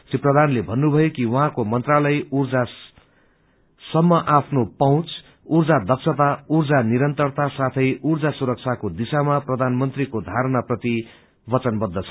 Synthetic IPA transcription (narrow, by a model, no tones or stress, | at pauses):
siprʌd̪ʱanlebʱʌnːubʱʌjokiwʌɦãkomʌnt̪ralʌjurd͡za | sʌmːʌʔapʰnopʌw̃t͡s | urd͡zad̪ʱʌksʰʌt̪aurd͡zaniɾʌnt̪ʌrt̪asat̪ʰʌjʔurd͡zasuɾʌk̚t͡sʰakod̪isamaprʌd̪ʱanmʌnt̪rikod̪ʱaɾnaprʌt̪i | bʌt͡sʌnbʌd̪ːʌt͡sʰʌ